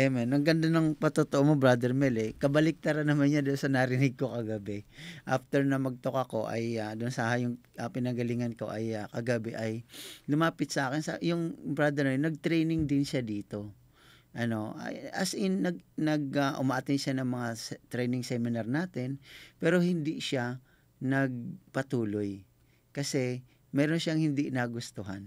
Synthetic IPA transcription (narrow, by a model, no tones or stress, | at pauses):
ɛmɛnmɐɡɐnd̪anɐŋpɐt̪ot̪oʔomobɾad̪ɛɹmɛlɛkɐbɐlɪk̚t̪ɐɾɐnɐmanɲad̪ʊnsɐnɐɾɪnɪɡ̚ko̞kɐɡɐbɛʔaft̪ɛɹnɐmɐɡ̚t̪okɐko̞ʔɐ̰jad̪ʊnsɐhajʊŋ | ɐpɪnɐɡɐliːŋɐnko̞̰ʔɐjakɐɡɐbɛʔɐjlʊmaːpɪt̪̚sɐʔaːkɪnsɐ̰jʊŋbɾad̪ɛɾmɛnɐɡ̚t̪ɾɛjnɪŋd̪ɪnʃad̪iːt̪o̞ | ʔɐno̞ʔa̰ʔɐsɪnɐɡnɐɡ̚aʔʊmaʔɐt̪ɛnʃanɐŋmɐŋast̪ɾɛjnɪŋsɛmɪnɐɾnaːt̪ɪnpɛːɾo̞hɪnd̪iʃa | nɐɡ̚pɐt̪uːloj | kɐsɛ | mɛːɾonʃaŋhɪnd̪inaɡʊst̪uɦɐn